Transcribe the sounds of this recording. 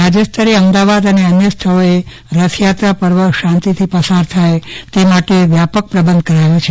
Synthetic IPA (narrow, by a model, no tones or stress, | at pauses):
ɾad͡ʒəst̪ʰəɾeəmd̪aʋad̪əneənjəst̪ʰəɭoe | ɾəsʰjat̪ɾapəɾʋəʃãnt̪it̪ʰipəsaɾt̪ʰajt̪emaʈeʋjapək̚pɾəbənd̪̚ʱkəɾajot͡ʃʰe